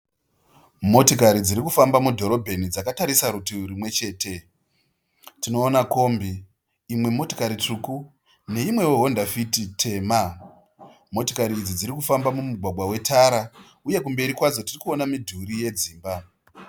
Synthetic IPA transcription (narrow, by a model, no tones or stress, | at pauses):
mo̞tokaɾid͡ziɾikufambamudʱo̞ɾo̞bʱe̞nid͡zakataɾisaɾutiuɾimwe̞t͡ʃe̞ːte̞ | tino̞ːnako̞ːmbiː | mwe̞mo̞tokaɾit͡ʂuku | ne̞imwe̞woɦo̞ndafititʰe̞ːma | mo̞tokaɾiːd͡zid͡ziɾikufambamumuɡʱwaɡʱwawe̞taɾa | uje̞kumbe̞ɾikwad͡zo̞tirikuo̞namidʱuɾije̞d͡ziːmba